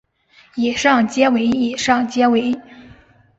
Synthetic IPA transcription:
i˨˩ʂɑ˥˩ŋt͡ɕjɛ˥we˧˥ɪi˨˩ʂɑ˥˩ŋt͡ɕjɛ˥we˧˥ɪ

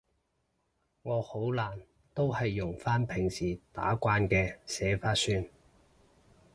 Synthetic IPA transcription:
ŋɔː˨˧ho˨˥wlaː˨˩n | t̪o˥whɐ˨jːʊ˨˩ŋfaː˥npʰɪ˨˩ŋsiː˨˩t̪a̰ː˨˥kʷaː˧nkɛː˧sɛː˨˧˥faː˥tsyː˥n

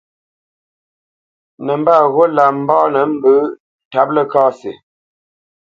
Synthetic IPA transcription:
nə˨m˦ba˦˨ɣo˦la˨m̩˦bɔː˦nə˨m̩˦bə˨˦ | ta˦p̚lə˦kɔː˦se˨

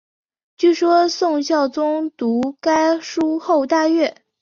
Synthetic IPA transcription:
t͡ɕy˥˩ʂwɔ˥sʊ˥˧ŋɕjɑ˥˩ʊt͡sʊ˥ŋt̪u˧˥ka˥ɪʂu˥xo˥˧ʊt̪a˥˧ɥɛ˥˩

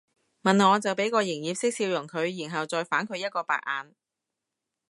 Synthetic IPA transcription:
mɐ˨nŋɔː˨˧t͡sɐ˨wpe˨˥jkɔː˧jɪ˨˩ŋjiː˨˧p̚sɪ˥k̚siː˧wjʊ˨˩ŋkʰɵ˨˧ɥjiː˨˩nɦɐ˨wt͡sɔː˨jfaː˨˥nkʰɵ˨˧ɥjɐ˥t̚kɔː˧pa̰ː˨k̚ʔa̰ː˨˧n

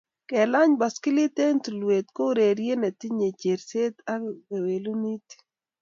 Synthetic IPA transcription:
kɛ˨la˦ɲba˨skɪ˦li˦t̪e˦ntu˨lwe˨t̪̚ko˦ɾe˨ɾje˦nɛ˨t̪ɪ˦ɲe˨t͡ʃe˨ɾse˦t̪a˦ɡe˨we˨lu˦ni˦t

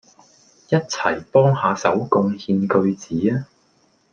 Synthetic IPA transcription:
jɐ˥t̚t͡sʰɐ˨˩jpɔː˥ŋhaː˨˧sɐ˨˥wkʊ˧ŋhiː˧nkɵ˧ɥt͡siː˨˥aː˥

